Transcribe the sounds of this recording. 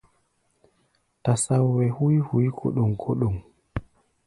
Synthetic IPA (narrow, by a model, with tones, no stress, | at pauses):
ta˨sa˦wwɛ˨hu˦jhu˨˦jkʰo̰˦ɗo˨ŋkʰo˦ɗo˨ŋ